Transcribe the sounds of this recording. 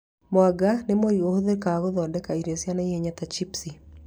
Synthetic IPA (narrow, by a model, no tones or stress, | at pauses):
moaɡanemoiohoðekaɣoðɔdɛkaiɾesjanaieɲatat͡ʃipsi